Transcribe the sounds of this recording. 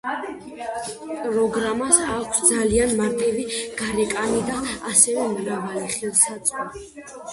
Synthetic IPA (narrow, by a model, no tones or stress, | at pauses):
pʼɾɔɡɾamasakʷʰsd̪zalianmaɾt̪ʼiviɡ̥aɾɛkʼanid̪aasɛvɛmɾavaliχɛlˠsat̪sʼa